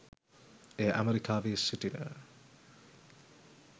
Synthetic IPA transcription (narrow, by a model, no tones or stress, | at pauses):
ejəʔæ̰meɾikaːʋeːsiʈinə̰